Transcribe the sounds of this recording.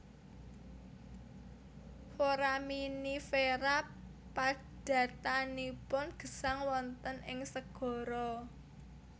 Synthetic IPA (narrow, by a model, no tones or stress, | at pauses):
foɾaminifeɾa | pa | d̥ä̤t̪anipʊnɡ̥ə̤saŋwɔnt̪ənɪŋsəɡ̥ɔ̤ɾɔ